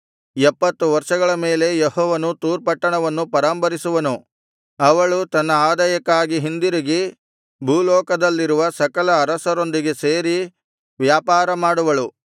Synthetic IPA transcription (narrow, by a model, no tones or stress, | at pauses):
ɛpːɐt̪ːuʋɐɾʂɐɡɐɭɐme̞ːle̞jehɔːʋɐnut̪uːɾpɐʈːɐɳɐʋɐnːupɐɾaːmpɐɾisuʋɐnu | ɐʋɐɭut̪ɐnːɐaːd̪ɐjɐkːaːɡiɦind̪iɾiɡi | bʱuːlɔːkɐd̪ɐlːiɾuʋɐsɐkɐlɐːɾɐsɐɾo̞nd̪iɡe̞seːɾi | ʋjaːpaːɾɐmaːɽuʋɐɭu